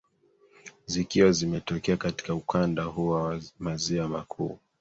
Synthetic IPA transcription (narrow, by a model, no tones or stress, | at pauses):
zikiwazimɛtɔkɛakati̥kaukandahuwamaziwamakʰṵː